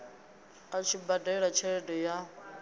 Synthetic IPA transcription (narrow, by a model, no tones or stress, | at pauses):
kʼat͡ʃʰibadaɛɺat͡ʃʰɛɺɛdɔja